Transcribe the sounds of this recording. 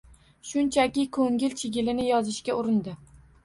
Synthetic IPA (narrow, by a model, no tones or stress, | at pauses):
ʃʊnt͡ʃʰakʲɪkʰɵŋʲɪlt͡ʃʰɪɡʲɪlɪnɪjɒzɪʃkʲaʊɾɪnd̪ɪ